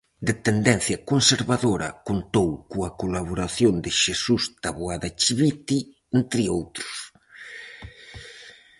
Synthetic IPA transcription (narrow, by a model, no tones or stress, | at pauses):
d̪et̪end̪ɛnθjɐkonseɾβaðoɾɐ̰kont̪owkuɐkolaβ̞oɾaθjond̪ɪʃesuzd̪̥aβoaðat͡ʃiβit̪i | ent̪ɾɪowt̪ɾʊ̥s